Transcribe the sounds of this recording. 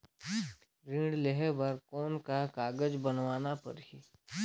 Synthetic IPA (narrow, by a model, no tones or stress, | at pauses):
ɾĩːɽleɦɛbəɾkɔːnkakaːɡəd͡ʒbənʋaːnapɐ̰ɾɦi